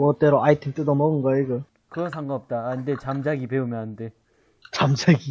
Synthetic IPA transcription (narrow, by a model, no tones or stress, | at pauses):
ʌt͈eɾoʔaitʰemt͈edomʌɡɯnɡʌeɡɯ | kɯɾʌnsʰaŋɡaʌp̚t͈aːninde̞t͡ɕamd͡ʑaɡipeumjʌnɦannde̞ | t͡ɕamd͡ʑaɡi